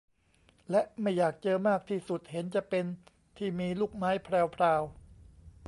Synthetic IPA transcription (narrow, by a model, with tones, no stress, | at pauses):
lɛ˦˥ʔma˥˩jːaː˨˩k̚t͡ɕɤː˧maː˥˩k̚t̪ʰiː˥˩su˨˩t̪̚he˩˦nt͡ɕa˨˩ʔpe˧n | t̪ʰiː˥˩miː˧luː˥˩k̚maː˦˥jpʰɾɛː˧wpʰɾaː˧w